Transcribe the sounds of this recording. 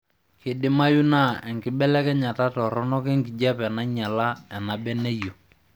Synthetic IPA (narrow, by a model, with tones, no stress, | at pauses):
kɪ˨dɪ˦ma˦ju˦na˦˨ɛ˨ŋkɪ˦ɓɛ˦lɛ˦kɛ˦ɲa˨ta˦tɔ˨ɾɔ˦nɔ˦kɛ˦ŋɡi˨d͡ʒa˦pɛ˨na˦ɲa˨la˦ɛ˨na˨bɛ˦ne˦jo˨